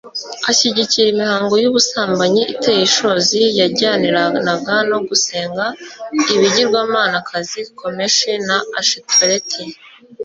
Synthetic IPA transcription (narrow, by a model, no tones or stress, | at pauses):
aɕiɟiciɾimihaːŋɡo̞juβusaːmbaɲiʔiteːjiʃo̞ːzijaɾɟaːniɾanaɡano̞ɡuse̞ːŋɡaiβiɟiɾɡwaːmaːnakʰazikʰo̞me̞ʃenaaʃeteɾetʰi